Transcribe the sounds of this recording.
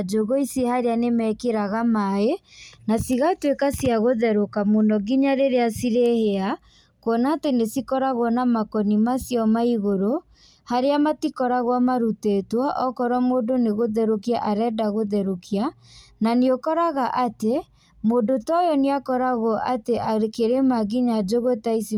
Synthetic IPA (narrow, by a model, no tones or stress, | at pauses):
d͡ʒoɣoisehaɾeanemɛkeɾaɣamaenasiɣatwekasiaɣoðɛɾokamondɔɡiɲaɾeɾeasiɾehea | kwɔnaːtenesikɔɾaɣwɔnamakɔnimasjɔmaiɣoɾo | haɾeamatikɔɾaɣwamaɾutetwaʔɔkɔɾwamoːdoneɣoðɛɾokiaʔaɾɛːdaɣoðɛɾokia | naneokɔɾaɣaʔate | mondotɔjɔneakɔɾaɣɔʔateʔakeɾemaɡiɲad͡ʒoɣotaisi